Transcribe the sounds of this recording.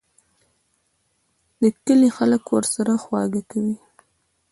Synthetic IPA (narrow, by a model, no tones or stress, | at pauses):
d̪əkəlixaləkwəɾsaɾaxwɑɡakawi